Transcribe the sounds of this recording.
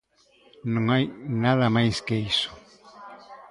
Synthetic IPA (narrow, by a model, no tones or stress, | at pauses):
nõŋajnaðamajskeisʊ̥